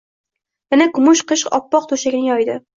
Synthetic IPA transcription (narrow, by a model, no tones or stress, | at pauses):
mɪnakʰʊmʊʃqɨʃɒ̰pːɒq̚t̪ʰoʃakʲnɪŋjɒjd̪ɪ